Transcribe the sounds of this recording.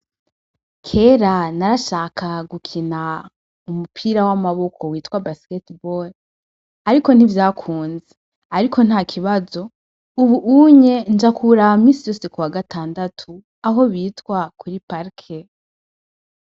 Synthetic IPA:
kʰe̞ːɾanaɾaʃaːkʰaɡukʰina | umupʰiːɾawamaβo̞kʰo̞wiːtkwabasketbol | aɾiko̞n̥ivjaːkʰuːnze | aɾikʰo̞n̥haːkʰiβazo̞ | uβuʔuɲe̞nd͡ʒakʰuɾamiːsijo̞ːse̞kuwaɡataːndatʰu | aɦo̞βiːtkwakʰuɾipaɾkʰe

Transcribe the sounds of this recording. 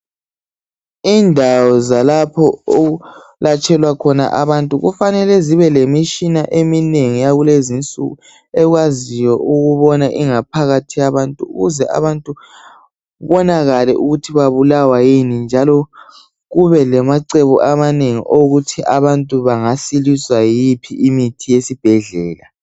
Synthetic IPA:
indʱawɔzalapʰɔoɣu | lat͡ʃʰʼɛlwakʰɔna̰ʔaβantʼuɣṵfanɛlɛziβɛlemiʃinaʔemineŋijaɣulezint͡sʼṵɣu | ɛɣwazijɔʔuɣuβɔnaʔiŋapʰaɣatʰijaβantʼuṵɣuzɛʔa̰βantʼu | βɔnaɣalɛʔuɣutʰiβaβulawajinind͡ʒʱalɔ | ɣuβɛlɛmaǀɛβɔʔamaneŋḭʔoɣutʰiʔaβantʼuβaŋasiliswajipʰiʔːmitʰijesib̥ʱɛɮɛːla

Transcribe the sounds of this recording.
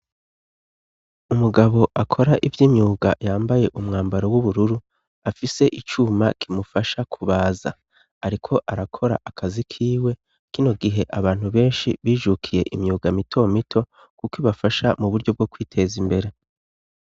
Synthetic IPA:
umuɡaβo̞ʔakʰo̞ɾaʔivjiːmɲuːɡa̰jaːmbaje̞ʔumŋaːmbaɾo̞wuβuɾuɾu | afise̞ʔit͡ʃuːmakʰimufaʃakʰuβaːza̰ | aɾikʰo̞ʔaɾakʰo̞ɾa̰ʔakʰazikʰiːwe̞ | kino̞ɡiɦe̞ʔaβaːn̥huβe̞ːnʃiβiːʒukʰije̞ʔimɲuːɡamitʰo̞mitʰo̞ | kukiβafaʃamuβuɾɟo̞b̚ɡo̞kwiːtʰeːzimbe̞ɾe̞

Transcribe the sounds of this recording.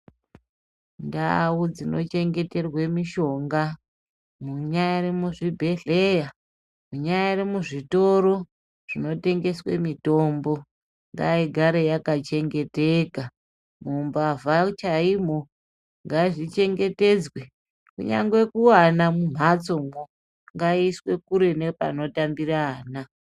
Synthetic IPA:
nda̰wud͡zino̞̰t͡ʃe̞ŋɡe̞te̞rwe̞miʃo̞ŋɡa | muɲajaɾemuʐibʱe̞ɮe̞ja | muɲajaɾemuʐito̞ɾo̞ | ʐ̥ino̞te̞ŋɡe̞swḛmito̞mbo̞ | ŋɡa̰iɡʱaɾejakat͡ʃe̞ŋɡe̞teka | mumbavat͡ʃaim̤o̞ | ŋɡaʐit͡ʃe̞ŋɡe̞te̞d͡zwe | kṵɲa̰ŋɡwe̞kuwanamum̤at͡soŋo | ŋɡaiswe̞kuɾe̞ne̞pa̰no̞tambiraːna

